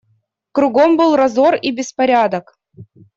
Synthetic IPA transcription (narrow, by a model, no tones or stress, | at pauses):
kɾʊɡombɨlˠrɐzoribʲɪspɐɾʲad̪ək